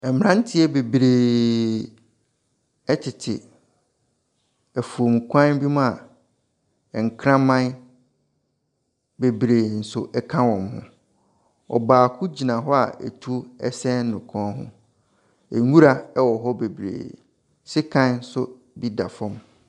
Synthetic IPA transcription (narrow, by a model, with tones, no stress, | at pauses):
ɛ˨m˨ɾã˦n˦tʰɪ˦ɛ˦be˨bɾeː˨ | ɛ˦t͡ɕʰɪ˨tʰɪ˨ | æ˨fu˨o˨m˨kʰʷã˦n˦bi˦mʊ̃˦a˨ | ɛ˨ŋ̩˨kʰɾã˦mã˦ | be˨bɾeː˨n̩˨sʊ˦ʔɛ˦kʰã˦wɔ̃˨mhʊ̰̃˨ | ɔ̰˨baː˨kʰʊ˦d͡ʑi˨nã˨ɦɔ˦a̰˨ḛ˨tʰu˦ɛ˦sɛ̃˦n̩˦nʊ̃˨kʰɔ̃˦ɦʊ̰̃˦ | e˨ɲu˦ɾa˨ɛ˦wɔ˨ɦɔ˦be˨bɾḛː˨ | sɪ˦kʰã˦n̩˦sʊ˦ | bi˦da̰˨fɔ̃˦m